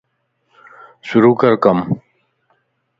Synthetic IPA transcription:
suɾuːkɐɾkɐm

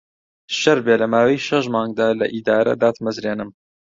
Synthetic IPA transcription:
ʃɐɾbeːlɐmaːwɐjʃɐʃmɑːŋɡ̚d̪aːlɐʔid̪aːɾɐ̰d̪aːt̪mɐzɾeːnɨm

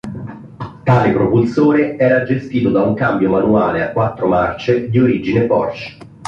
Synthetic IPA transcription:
t̪aːlepɾopulsoːɾeɛːɾad͡ʒest̪iːt̪od̪auŋkambjomanuaːleakːwat̪ːɾomart͡ʃed̪ioɾid͡ʒinepɔ̰rt͡ʃ

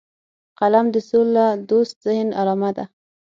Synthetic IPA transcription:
qalamd̪əsolːad̪ost̪z̥ɪhnaɾɑmad̪a

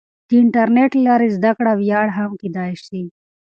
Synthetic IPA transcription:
d̪̥iɪɳʈɐɾneʈlɑːɾizd̪akɽawjɑːɽɦamkid̪ɑːiʃd̪i

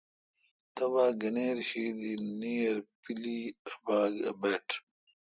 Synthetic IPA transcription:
t̪ɐβaːɡɐneːɾɕiːd̪iniːɐɾpilibaːɡɐ̰beːʈʰ

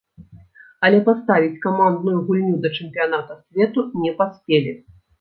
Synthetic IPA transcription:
ɐlʲɛpast̪avʲit͡sʲkamand̪nujuɣulʲnʲud̪ɐt͡ʂɛmpʲijan̪at̪ɐsʲvʲɛt̪unʲɛpasʲpʲelʲi

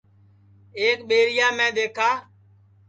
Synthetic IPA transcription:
eːkɓeːɾɪjaːmɛ̃ːɗ̪eːkʰaː

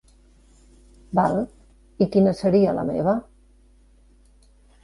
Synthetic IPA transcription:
bal | ikinəsəɾiələ̰mḛβ̞ə

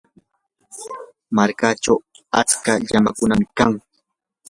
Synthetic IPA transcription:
maɾkat͡ʃaw | at͡skaʎamakʊnamɪka̰ŋ

